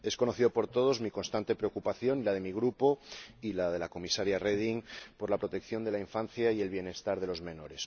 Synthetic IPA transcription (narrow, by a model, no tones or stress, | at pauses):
e̞sko̞noθiðo̞po̞ɾt̪o̞ð̞o̞zmikonst̪ant̪e̞pɾeokupaθjo̞nilað̞e̞miɣ̞ɾupo̞ilað̞e̞lako̞misaɾjareð̞iŋpo̞ɾlapɾo̞t̪e̞kθjo̞nd̪e̞laiɱfanθjaie̞lβ̞je̞ne̞st̪aɾð̞e̞lo̞zmẽ̞no̞ɾe̞s